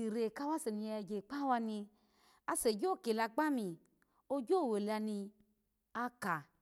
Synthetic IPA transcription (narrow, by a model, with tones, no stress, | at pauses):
i˨ɾe˨ka˦wa˦se˨ni˧˦˧d͡ʒe˨k͡pa˦wa˧nĩ˧ | a˧se˨d͡ʒo˦˨ke˨la˧ɡ͡ba˦mĩ˨ | o˦d͡ʒo˦˨we˨la˧ni˧ | a˦ka˨